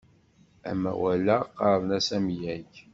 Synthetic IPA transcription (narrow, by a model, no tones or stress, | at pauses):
æ̰mːæ̰wælæqːɑˤðˤnæsæmjæç